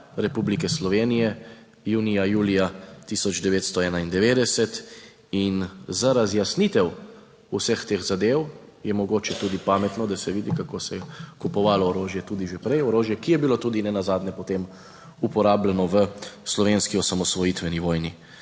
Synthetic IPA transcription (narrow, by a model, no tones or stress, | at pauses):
ɾɛpublikɛslɔʋenijɛ | juːnijajuːlijat̪isɔd͡ʒd̪ɛʋeːt̪st̪ɔɛːnaind̪ɛʋeːd̪ɛsɛt̪ | inzaɾazjasnit̪ɛw | usəxt̪eːxzad̪ewjɛmɔɡoːt͡ʃɛt̪uːd̪ipaːmɛt̪nɔd̪asɛʋiːd̪ikakosɛjɛkupɔʋalɔːɾoːʒjɛt̪uːd̪iʒepɾɛjɔɾoːʒjɛkijɛbilot̪uːd̪inɛnazaːd̪nɛpɔt̪em | upɔɾaːblɛnɔʋəslɔʋenskiɔsamɔsʋɔjit̪ʋɛniʋɔːjni